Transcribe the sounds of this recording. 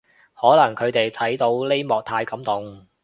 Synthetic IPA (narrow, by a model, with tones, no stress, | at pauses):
hɔː˨˥lɐ˨˩ŋkʰɵ˨˧ɥt̪e˨jt̪ʰɐ˨˥jt̪o˧wle˥jmɔː˨k̚t̪ʰaː˧jkɐ˨˥mt̪ʊ˨ŋ